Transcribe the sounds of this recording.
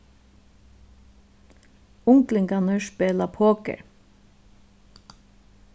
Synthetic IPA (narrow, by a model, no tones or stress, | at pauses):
ʊŋklɪŋɡɑnəʃpeːlɑpʰoːkə̰ɹ